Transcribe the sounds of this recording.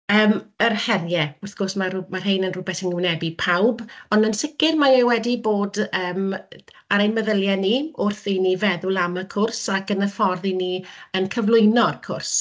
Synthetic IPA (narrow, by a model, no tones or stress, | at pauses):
əːmərhɛrjɛʊrθɡ̥osmarmarɦejnənrʊbɛθəŋɪwnɛbipʰawbɔnənsɪkɪrmaewɛdiboːdəːm | aɾejnməðəlˠjɛniʊrθinivɛðʊlˠaməkʰʊrsakənəfɔrðiniənkʰəvlˠʊɨnɔrkʰʊrs